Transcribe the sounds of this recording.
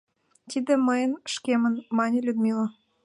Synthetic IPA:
t̪id̪ĕməjənʃkemənmɑnʲelʲyd̪mʲilo

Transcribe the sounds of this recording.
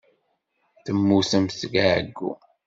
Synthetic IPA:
θəmːusæmsɡæʕəɡːṵ

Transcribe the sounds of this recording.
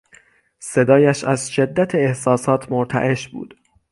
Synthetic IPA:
se̞d̪ɒːjæʃæzʃe̞d̪ːæt̪ʰeehsɒːsɒːt̪ʰmoɾt̪ʰæ̰ʔe̞ʃbṵːd̪̥

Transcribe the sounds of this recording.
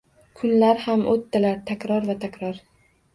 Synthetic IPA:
kʰʊnlaɾhamʔot̪ːalaɾt̪ʰakʲɾɒɾvat̪ʰakʲʰɾɒɾ

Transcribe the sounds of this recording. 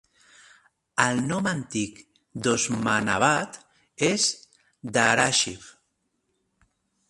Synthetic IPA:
əlˠnɔmant̪ik | d̪ozmana̰βat̪ | ez | d̪aɾaʃif

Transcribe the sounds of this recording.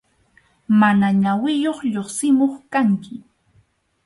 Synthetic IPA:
manaɲawɪjoχʎoχsɪmoχkaŋkɪ

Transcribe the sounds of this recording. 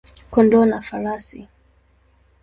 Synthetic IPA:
kɔndɔnafaɾasḭ

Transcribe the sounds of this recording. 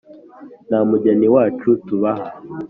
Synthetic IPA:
namuɟeniwaːt͡ʃutuβaha

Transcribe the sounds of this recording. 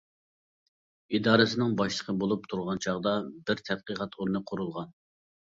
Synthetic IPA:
id̪ɑːɾɨsɪnɪŋbɑʃlˠəqʰəbolˠup̚t̪ʰuɾʁɑnt͡ʃʰɑʁd̪ɑbɪɾt̪ʰɛd̪̚qəʁɑt̪ʰuɾnɨqʰoɾulˠʁɑn

